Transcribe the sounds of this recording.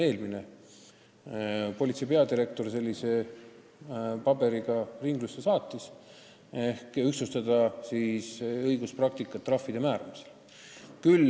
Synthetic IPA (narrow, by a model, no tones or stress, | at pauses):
e̞ːlmine̞ | po̞lʲit̪sepeɑd̪iɾe̞k̚t̪o̞rse̞lʲːise̞ | pɑbe̞ɾiɡ̥ɑriŋɡ̥lusːesɑːt̪ːˑis | ehkyksust̪ɑd̪ɑsiːsɤjɡ̥usprɑk̚t̪ikːˑɑt̪ːˑrɑfːid̪e̞mæːɾɑmi̥se̞̥l | kyl